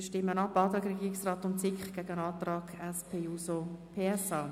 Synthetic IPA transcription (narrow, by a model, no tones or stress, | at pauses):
ʃtɪmːənɑpɑːt̪ɾɑːɡɾɛɡiːɾɪksrɑːt̪ʊnt͡sɪkχɡ̥æɡ̥ənɑːt̪ɾɑːɡ̥ɛspʰeːuːsopʰeːɛsɑː